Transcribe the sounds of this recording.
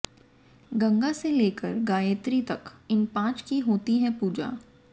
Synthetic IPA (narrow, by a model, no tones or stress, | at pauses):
ɡɐ̃ŋɡaseleːkəɾɡaːjeːt̪ɾit̪ɐkɪnpãːt͡ʃkiɦoːt̪iɦɛ̃puːd͡ʒa̰ː